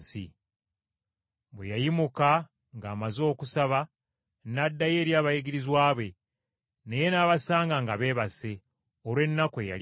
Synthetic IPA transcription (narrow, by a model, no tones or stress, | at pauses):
sḭ | βwḛjajimuka | ŋɡaːmazo̞ːkusaβa | nadːaje̞ːɾjaːβajiɡiɾizwaːβe̞ | ne̞je̞naːβasaːŋɡaŋɡaβe̞ːβase̞ | oɾwe̞nːakoja̰l